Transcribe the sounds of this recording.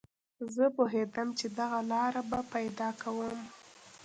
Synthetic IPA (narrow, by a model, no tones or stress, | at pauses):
zəpʊɦed̪əmt͡ʃed̪aɣalɑɾabapajd̪ɑkʰawəm